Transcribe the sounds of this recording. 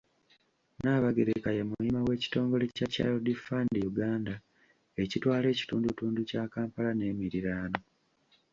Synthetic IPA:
naːβaɡe̞ɾekajemuimawe̞ːci̥to̞ːŋɡo̞le̞caca̰ːlodifaːndijuɡaːnda | e̞citwaːle̞ːci̥tuːndutuːnducakaːmpalane̞ːmiɾiɾaːno̞

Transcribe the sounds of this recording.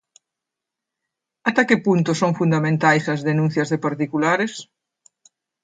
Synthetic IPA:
at̪akepunt̪ʊsõŋfund̪amẽnt̪ajsɐzðenũn̟θjɐzðepaɾt̪ikulaɾes

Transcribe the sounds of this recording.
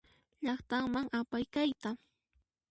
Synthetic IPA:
ʎɑχt̪aŋmaŋapajkajt̪a

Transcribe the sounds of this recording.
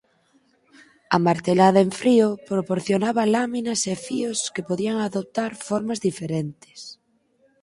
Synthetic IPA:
ɐmaɾt̪elaðɐeɱfɾiopɾopoɾθjonaβɐlaminasefioskepoðiaŋaðop̚t̪aɾfoɾmazðifeɾent̪e̥s

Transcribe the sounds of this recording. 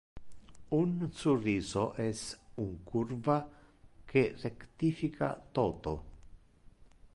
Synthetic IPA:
unsurisoʔesuŋkuɾvakerekt̪ifikʰa̰t̪ot̪o̰

